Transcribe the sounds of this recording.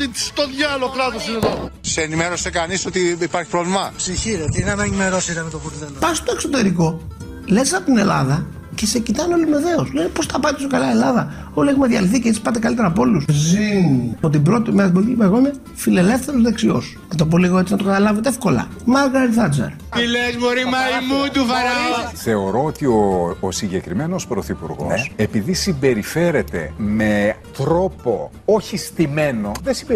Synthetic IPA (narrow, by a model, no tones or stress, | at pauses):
i̥st̪oðjɐlok̪ɾɐt̪osineðoseenimeɾosekɐnisot̪iipaɾçi̥pɾovlimɐsiçiɾet̪nɐenimeɾosit̪ɐmet̪opuɾtepɐst̪oekso̞t̪e̞ɾiko̞ | lesɐpot̪ine̞lɐ̰ðɐ | ce̞se̞cit̪ɐneo̞lime̞ðe̞oslenepo̞sθɐpɐit̪oçjokalɐielɐðɐ | o̞liexumeðʝɐliθicesi̥pɐt̪̬ekɐlit̪e̞ɾɐpo̞luszipot̪ibɾo̞t̪imeɐt̪iboliicipɐɣomɐ | file̞le̞fθe̞ɾozðe̞ksio̞s | nɐt̪op̬o̞liɣoe̞t͡sinɐt̪o̞kɐt̪ɐlɐvet̪eefko̞lɐ̰ | mɐɾɣɐɾiθɐd͡zɐ̰ɾ | ilezboɾimɐimut̪ufɐɾɐθe̞o̞ɾo̞ot̪ioːsiɲɟe̞kɾime̞no̞spɾo̞θipuɾɣo̰sepiðisimbe̞ɾife̞ɾe̞t̪e̞̰me̞t̪ɾo̞po̞ | oçist̪ime̞no̞ðesib